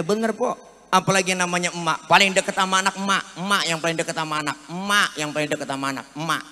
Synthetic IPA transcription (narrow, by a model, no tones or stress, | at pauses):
bənərpɔ | apalaɡinamaɲaəmaʔpalɪŋdəkət̪amanak̚maʔ̩maʔjaŋpalɪŋdəkət̪amanak̚əmaʔjaŋpalɪŋdəkət̪amana̰k̚ma̰ʔ